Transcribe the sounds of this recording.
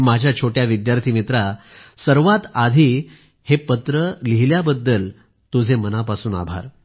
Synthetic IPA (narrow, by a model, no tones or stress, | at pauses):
mad͡ʑʱjat͡ɕʰoʈjaʋid̪jaɾt̪ʰimit̪ɾasəɾʋat̪ad̪ʱiː | hepət̪ɾəliɦljabəd̪ːəl | t̪ud͡zʱemənapasuːna̰bʱa̰ɾ